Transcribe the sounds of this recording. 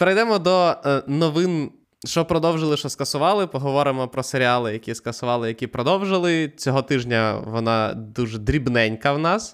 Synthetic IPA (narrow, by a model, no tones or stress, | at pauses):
peɾɐjd̪ɛmɔd̪ɔnɔʋɪn | ʃt͡ʃɔpɾɔd̪ɔwʒɪlˠɪʃɔskɐsʊʋɑlˠɪpɔɦɔʋɔɾɪmɔpɾɔseɾʲɪɑlˠɪjɐkʲiskɐsʊʋɑlˠɪjɐkʲipɾɔd̪ɔwʒɪlˠɪt͡sʲɔɦɔt̪ɪʒnʲɐʋɔnɑ̰d̪uʒɛd̪ɾʲibnɛnʲkɐwnɑs